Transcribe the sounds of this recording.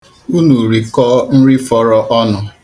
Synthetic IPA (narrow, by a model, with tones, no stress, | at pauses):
u˦nu˨ɾi˨kɔː˦n̩˦ɾi˦fɔ˦ɾɔ˦ʔɔ˦nʊ˨